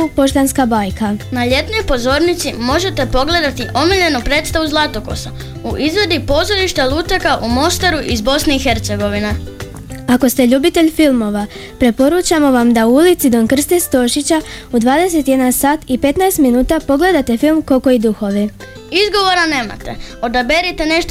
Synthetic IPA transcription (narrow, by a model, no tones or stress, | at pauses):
po̞ʃt̪anskabaːjkʰanaʎe̞t̪no̞jpo̞zo̞ɾnit̪simo̞ʒe̞t̪epo̞ɡle̞d̪at̪iʔo̞miʎe̞nupɾet̪st̪aʋuzlˠat̪o̞ko̞̰sa | uʔizʋe̞d̪ipo̞ːzo̞ɾiʃt̪elˠuːt̪akaʔumo̞st̪aɾuʔizbo̞sneixe̞ɾt̪se̞ɡo̞ʋine | ako̞st̪e̞ʎuːbit̪e̞ʎfilˠmo̞ʋa | pɾe̞po̞ɾut͡ɕamo̞ʋamd̪auulit̪sid̪o̞nkr̩st̪est̪o̞ʃit͡ɕaud̪ʋaːd̪e̞se̞t̪je̞d̪ansaːt̪ipe̞t̪naest̪minuːt̪apo̞ɡle̞d̪at̪e̞filˠmko̞koid̪uxo̞ʋi | izɡo̞ʋo̞ɾane̞ːma̰t̪eo̞d̪abeɾit̪ene̞ʃt̪